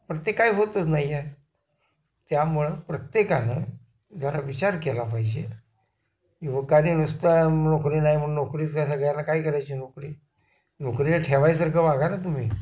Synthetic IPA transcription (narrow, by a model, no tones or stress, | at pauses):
pɾət̪jekaiɦot̪ət͡snajːe | t̪jamuɭəpɾət̪jekanə | d͡zaɾaʋit͡ɕaɾkɛlapaid͡ʑe | iʋəkaniːnust̪anokɾiːnaim̤əɳnokɾiːt͡sɡasaɡəjanakaiːkəɾajt͡ɕiːnokɾiː | nokɾilʈʰeʋajs̬əɾkʰəʋaɡanat̪̬um̤iː